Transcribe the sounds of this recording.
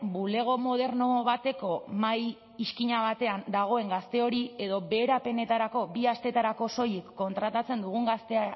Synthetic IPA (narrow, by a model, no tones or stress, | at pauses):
bule̞ɣ̞o̞mo̞ð̞e̞ɾno̞βat̪e̞ko̞maj | iskiɲaβ̞at̪e̞and̪aɣ̞o̞e̞ŋɡast̪e̞o̞ɾie̞ðo̞βe̞ːɾape̞ne̞t̪aɾako̞biast̪e̞t̪aɾako̞so̞jekːo̞nt̪ɾat̪at͡se̞nd̪uɣ̞uŋɡast̪e̞a